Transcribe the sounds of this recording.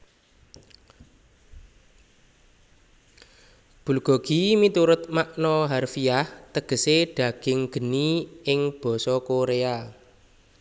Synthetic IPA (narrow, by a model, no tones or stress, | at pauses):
b̥ṳlɡ̥ɔ̤ɡ̥imit̪uɾʊt̪̚maʔnɔɦarfiaht̪əɡ̥ə̤seɖ̥ä̤ɡ̥ɪŋɡ̥ə̤niɪŋb̥ɔ̤sɔkoɾea